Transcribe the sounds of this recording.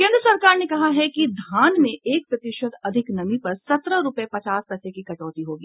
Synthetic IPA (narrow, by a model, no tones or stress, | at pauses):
kẽːnd̪ɾəsɐɾkaːɾnekɐɦaɦɛkid̪ʱaːnmẽeːk̚pɾɐt̪ɪʃəd̪ɐd̪ʱɪknɐmipɐɾsɐt̪ɾəɾʊpepɐt͡ʃaːspɐsekikɐʈɔːt̪iɦoːɡiː